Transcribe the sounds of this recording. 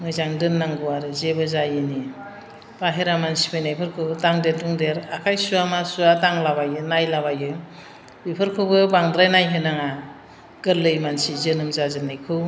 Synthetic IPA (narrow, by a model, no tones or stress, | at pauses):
mɯjzaŋdɯnːaŋɡuwaɾɯzebɯzajɯni | paɦeɾamansi̥pʰɯjnajpʰɯɾkʰɯbtaŋdetuŋdeɾakʰajsuamasuataŋlabajɯnajlaβajɯ | bipʰɯɾkʰɯbɯbaŋdɾajnajɦɯnaŋa | ɡ̥ɯɾlɯjmansizɯnɯmzazɯnːajkʰɯw